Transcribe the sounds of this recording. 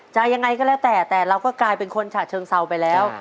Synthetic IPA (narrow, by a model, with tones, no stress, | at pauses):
t͡ɕa˨˧ja˧ŋːa˧jkɔː˥˩lɛː˦˥wt̪ɛː˨˩t̪ɛː˨˩ɾa˧wkɔː˥˩klaː˧jpe˧nkʰo˧nt͡ɕʰaː˨˩t̪̚t͡ɕʰɤː˧ŋsa˧wpa˧jlɛː˦˥w